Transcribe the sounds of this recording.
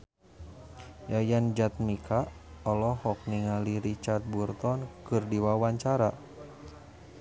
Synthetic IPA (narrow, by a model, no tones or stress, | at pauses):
jajand͡ʒat̪̚mikʰaɔlɔhɔk̚niŋaliɾit͡ʃart̪̚burt̪ɔnkɨrdiwawaɲt͡ʃaɾa